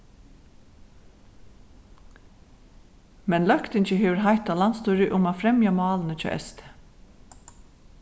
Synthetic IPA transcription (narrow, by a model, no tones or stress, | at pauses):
mɛnlœkt̪ɪɲt͡ʃəɦeːʋəɾɦajht̪alanst̪ɔːɾɪʔʊmaːfɾɛmjamɑːlnət͡ʃʰœ̰ːʔɛ̰st̪ʰə̥